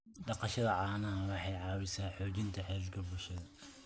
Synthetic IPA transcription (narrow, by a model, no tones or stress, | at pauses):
ɖɑqɑʃɐðɐʕɑːnɐɦɐwɑħɑjʕɑːwɪsaːħɔːt͡ʃɪnt̪ʰɐħɛːlkʰɐbʊlʃɐðɐ